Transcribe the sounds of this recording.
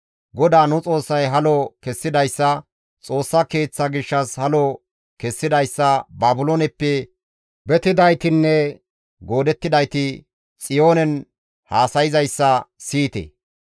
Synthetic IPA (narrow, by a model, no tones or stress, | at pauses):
ɡɔd̪aːnʊt͡sʼo̞ːsːɐjɦɐlɔkɛsːɪd̪ɐjsːɐ | t͡sʼo̞ːsːɐke̞ːt͡sːɐɡɪʃːɐshɐlɔ | kɛsːɪd̪ɐjsːɐbaːbʊloːnɛpːɛ | bɛt̪ɪd̪ɐjt̪ɪnːɛ | ɡo̞ːd̪ɛt̪ːɪd̪ɐjt̪ɪ | t͡sʼɪjo̞ːnɛn | haːsɐjɪzɐjsːɐsiːt̪ḛ